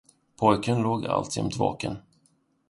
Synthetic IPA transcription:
pʰɔjkənloːɡa̰lt̪ʰjɛmt̪vɑ̰ːkən

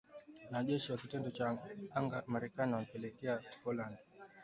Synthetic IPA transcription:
naʄɛʃiwakitɛndɔt͡ʃaaŋɡamaɾɛkaniwam̩pɛlɛkɛapɔland

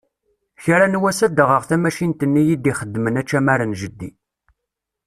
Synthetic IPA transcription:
çɾanwæsæd̪əʁəʁθæmæʃint̪ənːijid̪iχəd̪ːmənæt͡ʃːæmæɾənʒəd̪ːḭ

